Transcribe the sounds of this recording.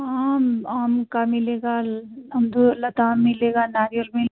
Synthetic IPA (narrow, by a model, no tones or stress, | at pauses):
aːmaːmkamɪleːɡaɐmd̪ulɐt̪aːmmɪleːɡanaːɾjəɾmi